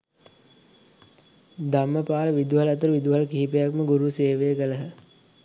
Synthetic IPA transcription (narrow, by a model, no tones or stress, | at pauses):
d̪aməpaːləʋid̪uɦalɐt̪əɾuʋid̪uɦaləkiːipejakməɡuɾuseːʋejəkələɦə